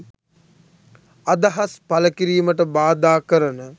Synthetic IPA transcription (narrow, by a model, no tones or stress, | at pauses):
ad̪ɐɦaspɐləkiɾiːməʈəbaːd̪aːkəɾənə